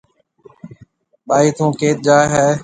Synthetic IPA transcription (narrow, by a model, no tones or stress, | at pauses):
ɓaːiːt̪ʰũːkeːt̪̚d͡ʒaːɦeː